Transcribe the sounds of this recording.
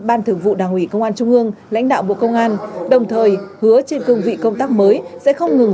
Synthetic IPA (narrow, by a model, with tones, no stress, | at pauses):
ɓaː˧nt̪ʰɨ˧˩əŋvṵ˧˨ɗaː˨˩ŋʔwi˧˩kə˧wŋ͡mʔaː˧nt͡ɕʊ˧ŋ͡mʔɨ˧əŋla̰˧˥jŋ̟ɗa̰ː˧˨wɓo̰˧˨kə˧wŋ͡mʔaː˧nɗə˨˩wŋ͡mt̪ʰəː˨˩jhɨ˨˦ət͡ɕe˧nkɨ˧əŋvḭ˧˨kə˧wŋ͡mt̪aː˦˥k̚məː˨˦jsɛ̰˧˥xə˧wŋ͡mŋɨ˨˩ŋ